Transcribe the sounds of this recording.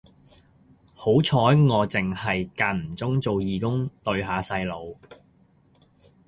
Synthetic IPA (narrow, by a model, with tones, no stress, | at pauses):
ho˨˥wt͡sʰɔː˨˥jŋɔː˨˧t͡sɪ˨˩ŋhɐ˨jkaː˧nm̩˨˩t͡sʊ˥ŋt͡so˨wjiː˨kʊ˥ŋt̪ɵ˧ɥɦaː˨˧sɐ˧jlo˨˧w